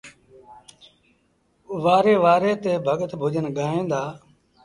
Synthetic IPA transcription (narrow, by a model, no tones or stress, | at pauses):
ʋaːɾeːʋaːɾeːt̪eːbʱəɠət̪bʱʊd͡ʒənɠaːɦẽːnd̪aː